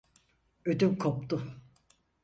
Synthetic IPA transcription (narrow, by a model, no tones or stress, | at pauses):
ød̪ymkʰopt̪ʊ